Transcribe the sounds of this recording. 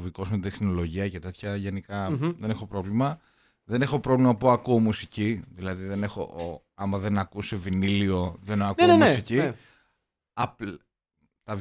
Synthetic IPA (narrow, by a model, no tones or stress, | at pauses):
viko̞smet̪exsino̞lo̞ʝiɐce̞t̪e̞t̪çɐʝenikɐðe̞nexo̞pɾo̞vlimɐ | ðe̞ne̞xo̞pɾo̞vlimɐpuɐkuomusiciðilɐðiðe̞ne̞xo̞̰ | ɐmɐðe̞nɐkuse̞vinilio̞ðenɐkuemssici | ɐ | t̪ɐv